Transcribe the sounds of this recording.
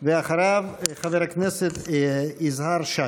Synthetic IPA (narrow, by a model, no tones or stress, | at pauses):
veaχaɾavχaveɾakneset̪izhaɾʃa